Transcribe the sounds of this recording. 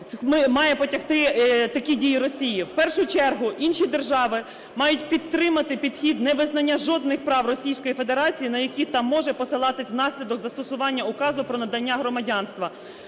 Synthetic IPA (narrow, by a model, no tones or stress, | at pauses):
mɪmɑjɛpɔtʲɐxt̪ɪt̪ɐkʲidʲijiɾɔsʲijiwpɛrʃʊt͡ʃɛrɦʊʔinʃid̪e̞rʒɑʋɪ | mɑjʊtʲpʲid̪ːɾɪmɐt̪ɪpʲid̪̥xʲid̪nɛʋɪznɐnʲːɐʒɔd̪nɪxpɾɑwrɔsʲijsʲkɔjife̞d̪e̞ɾɑt͡sʲijinɐjɐkʲit̪ɑmːɔʒɛpɔsɪlˠɑt̪ɪsʲwnɑsʲlʲid̪ɔɡzɐst̪ɔsʊʋɑnʲːɐʊkɑzʊpɾɔnɐd̪ɐnʲːaɦɾɔmɐdʲɑnst̪ʋɐ